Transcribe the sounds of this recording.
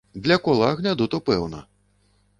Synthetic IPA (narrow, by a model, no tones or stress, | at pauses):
d̪lʲɐkɔlˠaɣnʲad̪ut̪ɔpɛwnɐ̰